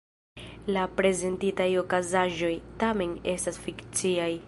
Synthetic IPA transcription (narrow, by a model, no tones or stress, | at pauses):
lapɾe̞ze̞ntitajo̞kazaʒo̞jtame̞ne̞stasfikt͡siaj